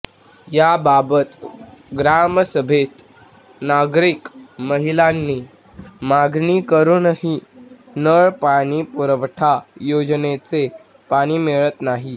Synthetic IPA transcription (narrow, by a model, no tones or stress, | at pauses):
jababət̪ɡɾaməsəbʱet̪ | naɡɾikməɦilanːiː | maɡʱnikəɾuːnəɦi | nəɭpaɽ̃iːpuɾəʋʈʰajod͡znet͡se | paɽ̃iːmeɭət̪naɦi